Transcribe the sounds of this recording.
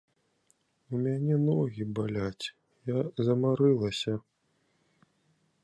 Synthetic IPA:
umʲanʲɛnɔɣʲibalʲat͡sʲ | jazɐmaɾɨlˠɐsʲɐ

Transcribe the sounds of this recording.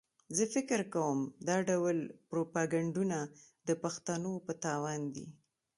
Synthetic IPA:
zəfɪkəɾkawəmd̪ɑɖawlpɾopaɡaɳɖunad̪əpaxt̪anopət̪ɑwɑnd̪ḭ

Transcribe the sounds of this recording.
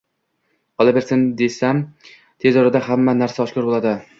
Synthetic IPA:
qɒlˠabeɾsɪnd̪e̞sam | t̪ʰe̞zɒɾad̪ahamːanaɾsaɒʃkɒɾbolˠad̪ɪ

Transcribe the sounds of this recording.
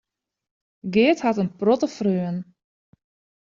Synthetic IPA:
ɡɪəthatənprɔtəfrøːən

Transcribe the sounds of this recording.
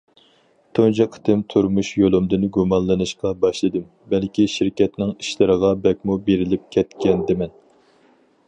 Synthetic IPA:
t̪ʰond͡ʒɨqʰə̥t̪ɨmt̪ʰuɾmuʃjolˠɨmd̪ɨnɡumɑnlˠɨnɨʃqɑbɑʃlˠɨd̪ɨm | bɛlkʲiʃiɾkʲɛt̪nɪŋi̥ʃlɪɾəʁɑbɛkʲmubeɾɪlɪp̚kʲʰɛt̪kʲʰɛnd̪ɪmɛn

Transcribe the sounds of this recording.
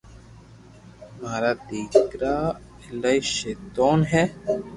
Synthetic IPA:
maːɾaːd̪iːkkɾaː | ɪlaiʃeːt̪oːnɦɛː

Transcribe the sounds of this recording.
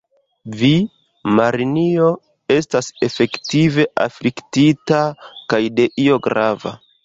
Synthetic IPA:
vi | maɾinio̞ | e̞stase̞fe̞ktive̞ʔa̰fliktitakajde̞ʔio̞ɡɾava̰

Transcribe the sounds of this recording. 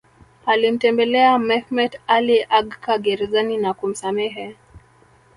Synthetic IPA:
alim̩tɛmbɛlɛamɛhmɛtaliʔaɡkaɡɛɾɛzaninakum̩samɛɦɛ

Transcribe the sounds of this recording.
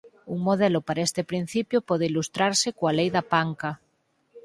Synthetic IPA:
uŋmoð̞elopaɾaest̪epɾin̟θipjopɔð̞eilust̪ɾaɾsekoalejðapaŋka

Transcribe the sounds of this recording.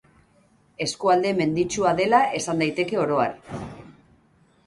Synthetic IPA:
e̞skuald̪e̞me̞nd̪it͡ʃuaðe̞laʔe̞sand̪ajt̪e̞ke̞o̞ɾo̞a̰ɾ

